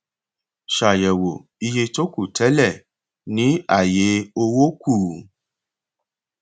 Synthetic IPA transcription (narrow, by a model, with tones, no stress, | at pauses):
ʃa˨jɛ˨wo˨ | i˧je˧to˦ku˦˨tʰɛ˨˦lɛ˦˨ | nĩ˨˦a˦˨je˨˦o˧wo˦ku˦˨